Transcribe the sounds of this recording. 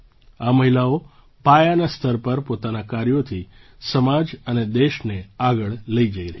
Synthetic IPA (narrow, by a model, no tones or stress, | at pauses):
aməɦilao | pajanast̪ʰəɾpəɾpot̪anakaɾjot̪ʰisəmad͡ʒəned̪eʃneaɡəɭləid͡ʒəiɾəɦ